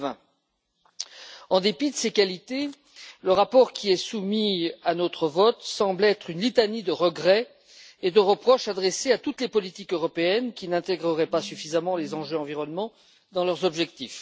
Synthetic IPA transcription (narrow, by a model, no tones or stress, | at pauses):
ɛ̃ | ɑ̃d̪epid̪əsekalit̪e | ləʁapɔʁkʲiɛsumianot̪χəvɔt̪sɑ̃blɛt̪χynlit̪anid̪əʁəɡʁɛ | ed̪əʁəpχɔʃad̪ʁɛseat̪ut̪lepɔlit̪ikøʁɔpeɛnkʲinɛ̃t̪ɛɡʁəʁɛpasyfizamɑ̃lezɑ̃ʒøɑ̃viʁɔnmɑ̃ | d̪ɑ̃lœʁzɔbʒɛkt̪if